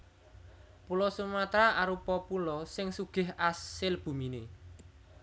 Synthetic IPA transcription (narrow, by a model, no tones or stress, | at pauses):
pulɔsumat̪ɾaʔaɾupɔpulɔsɪŋsuɡ̥ɪ̤ɦasɪlb̥ṳmine